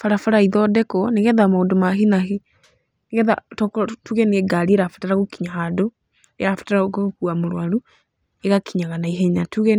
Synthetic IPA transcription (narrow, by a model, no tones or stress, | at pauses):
faɾafaɾaiðɔdɛkɔneɣɛðamaondomaɦinahe | neɣɛða̰tɔkɔtuɣɛneɛɡaɾieɾafataɾaɣokiɲahado | ḛafḁtaɾaɣokuamoɾwaɾu | eɣakiɲaɣanaiɦɛɲatuɣɛ